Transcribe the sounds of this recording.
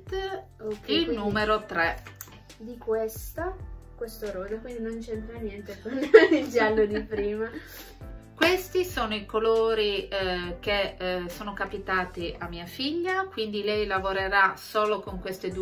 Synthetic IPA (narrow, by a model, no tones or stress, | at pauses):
t̪ | ilnuːmeɾot̪ɾɛ | d̪ikwest̪akwest̪oɾoːd̪akwind̪inont͡ʃɛnt̪ɾanjɛnt̪ekand̪d̪isjalːod̪ipɾiːma | kwest̪isoːnoikoloːɾik̟esoːnokapit̪aːt̪iʔamːiːafiʎːakwind̪ilɛjlavoɾeɾasoːlokoŋkwest̪ed̪u